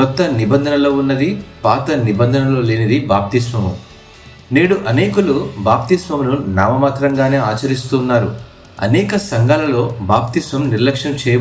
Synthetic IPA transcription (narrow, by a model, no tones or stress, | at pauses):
kɔt̪ːɐnibɐnd̪ʱɐnɐlo̞ːunːɐd̪ipaːt̪ɐnibɐnd̪ʱɐnɐlo̞ːleːnɐd̪ibaːp̚t̪ismɐmṵ | neːɽuʔɐneːkɐlubaːpt̪ismɐmnunaːmɐmaːt̪ɾɐŋɡaːne̞ːaːt͡ʃɐɾist̪uːnːaːɾu | ɐ̰nɛːkɐsɐŋɡaːlɐlo̞ːbaːp̚t̪ismɐmniɾlɐkʂɐmt͡ʃeːɐ